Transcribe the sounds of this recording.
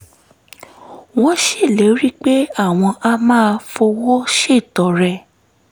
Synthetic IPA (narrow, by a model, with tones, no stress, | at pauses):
wɔ̃˦ʃe˦˨lɛ˨˦ɾi˦k͡pe˦a˦˨w̃ɔ̃˧ʔa˧mãː˦˧fo˧wɔ˦ʃe˦˨tɔ˨ɾɛ˧˨